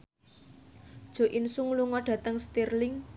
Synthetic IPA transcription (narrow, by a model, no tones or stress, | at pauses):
d̥ʒ̥o̤ʔinsuŋluŋɔɖ̥ä̤t̪əŋst̪irlɪŋ